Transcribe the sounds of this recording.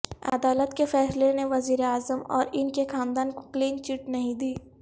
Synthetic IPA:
ɐ̰d̪aːlət̪kefɛːsleneʋɐziːɾeaːzəmɔ̰ːɾɪnkexaːnd̪aːnko̥kliːnt͡ʃɪʈnɐɦĩd̪iː

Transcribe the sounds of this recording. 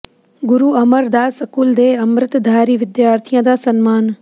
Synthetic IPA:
ɡʊɾuːɐməɾd̪aːsɐkuːld̪eːɐmɾɪt̪d̪ʱaːɾiːʋɪd̪jaːɾt̪ʰijãːd̪aːsɐnmaːn

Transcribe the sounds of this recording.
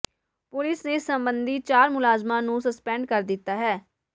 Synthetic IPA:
pʊlɪsneːsəmbənd̪iːt͡ʃaːɾmʊlaːzmãːnũːsəspɛ̃ːɳɖkəɾd̪ɪt̪ːaːɦɛː

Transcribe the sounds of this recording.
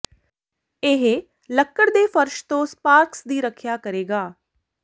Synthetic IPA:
ɪɦ | ləkːəɽd̪eːfəɾʃt̪õːspaːɾksd̪iːɾəkʰjaːkəɾeːɡaː

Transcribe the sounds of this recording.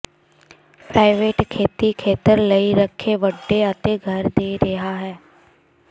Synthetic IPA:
pɾaːɪʋeːʈkʰeːt̪ikʰeːt̪əɾlɐiɾəkʰːeʋəɖːeɐt̪eɡʱɐɾd̪eːɾɐɦaɦɛː

